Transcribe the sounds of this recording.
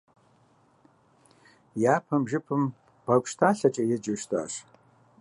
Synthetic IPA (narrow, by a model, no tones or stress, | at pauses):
jaːpʰɐmʒɪpʰɨm | b̥ɐkʷʼʃtʰaːɬɐt͡ʃʼɐjɛd͡ʒɪʃtʰa̰ːɕ